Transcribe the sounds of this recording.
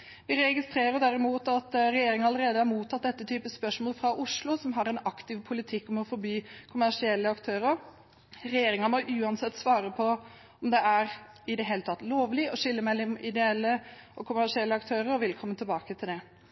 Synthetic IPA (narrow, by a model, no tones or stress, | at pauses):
ʋɪɾɛɡɪst̪ɾeːɾəɾd̪æɾɪmuːt̪ɑt̪ɾɛjeːɾɪŋɑləɾeːd̪əhæɾmuːt̪ʰːɑt̪̚d̪ɛt̪ːət̪ʰyːpəspœʂmɔːləfɾɑʔʊʂlʊsɔmɦɑɾɛnɑkt̪ɪʋpʰʊlɪt̪ʰɪkːɔmɔfɔɾbyːkʰʊmæʂɪɛlːəɑkt̪ʰøːɾəɾ | ɾɛjeːɾɪŋənmɔʔʉːɑnsɛt̪ːsʋɑːɾəpʰɔ | ɔmd̪ɛæɾ | ɪd̪ɛɦeːlət̪ʰɑt̪ːloːʋlɪɔʂɪlːəmæɪlɛmʔɪd̪ɛɛlːəʔɔkʰʊmæʂɪɛlːəɑkt̪ʰøːɾəɾɔʋɪlkʰɔmːət̪ʰɪlbɑːkət̪ʰɪld̪ɛ